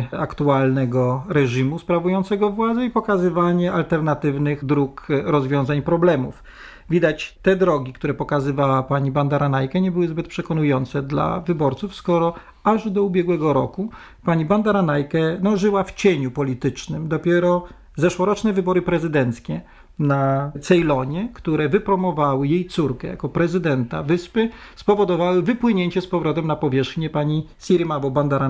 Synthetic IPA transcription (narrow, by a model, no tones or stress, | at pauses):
akt̪ualnɛɡɔɾɛʐimuspɾavujɔnt̪sɛɡɔvwad̪zɛipɔkazɘvaɲɛalt̪ɛɾnat̪ɘvnɘɣd̪ɾukɾɔzvʲjɔ̃w̃zaɲpɾɔblɛmṵf | vʲid̪at͡ɕt̪ɛd̪ɾɔɡʲikt̪uɾɛpɔkazɘvawapaɲiband̪aɾanajkɛɲɛbɘwɘzbɘt̪̚pʂɛkɔnujɔnt̪sɛd̪la̰vɘbɔɾt̪sufskɔɾɔ | aʐd̪ɔubʲjɛɡwɛɡɔɾɔku | paɲiband̪aɾanajkɛnɔʐɘwaft͡ɕeɲupɔlʲit̪ɘt͡ʂnɘmd̪ɔpʲjɛɾɔ | zɛʂwɔɾɔt͡ʂnɛvɘbɔɾɘpɾɛzɘd̪ɛnt̪skʲɛ | nat̪sɛjlɔɲɛkt̪uɾɛvɘpɾɔmɔvawɘjejt̪suɾkɛja̰kɔpɾɛzɘd̪ɛnt̪a̰vɘspɘspɔvɔd̪ɔvawɘvɘpwɘɲeɲt͡ɕɛspɔvɾɔt̪ɛmnapɔvʲjɛʂxɲɛpaɲi | sʲiɾimabɔband̪aɾa